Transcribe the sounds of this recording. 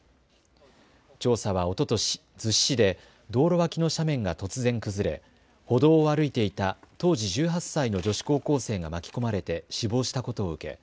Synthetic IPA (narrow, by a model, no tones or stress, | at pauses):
t͡ɕo̞ːsaβ̞ao̞t̪o̞t̪oɕ | d͡zɨɕːid̪e̞ | d̪o̞ːɾo̞βakʲino̞ɕamẽ̞ŋɡat̪o̞t͡sɨzẽ̞ŋkɯ̟zɨɾe̞̰ | ho̞d̪o̞ːβaɾɯ̟it̪e̞it̪at̪o̞ːʑiʑɨːɦasːaino̞d͡ʑo̞ɕi̥ko̞ːko̞ːse̞ːɡamakʲi̥ko̞maɾe̞t̪e̞ɕibo̞ːɕi̥t̪ako̞t̪o̞ːɯ̟ke̞̰